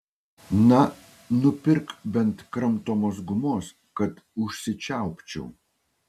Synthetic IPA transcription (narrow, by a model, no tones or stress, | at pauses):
nɐ | nʊpʲɪɾkbʲɛnt̪kɾɐmˑt̪oːmoːs̬ɡʊmoːs | kɐt̪ | ʊʃʲsʲɪt͡ʃʲæˑʊpʲt͡ʃʲɛ̰ʊ